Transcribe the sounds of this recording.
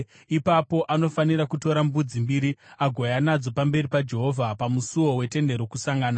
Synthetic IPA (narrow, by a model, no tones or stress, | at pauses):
ipapo̞ʔano̞fanirɾakuto̞ɾambud͡zimbiɾiaɡʱojanad͡zo̞pambe̞ripad͡ʒe̞ɦo̞vʱapamusuwo̞we̞te̞nde̞ɾokusaŋɡaːna